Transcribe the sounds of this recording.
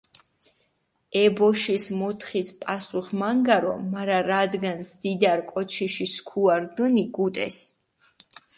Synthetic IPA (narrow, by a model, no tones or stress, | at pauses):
ɛbɔʃismɔt̪ʰχispʼasuχmaŋɡaɾɔ̰maɾaɾad̪ɡansd̪id̪aɾkʼɔt͡ʃʰiʃiskʰuaɾd̪əniɡut̪ʼɛs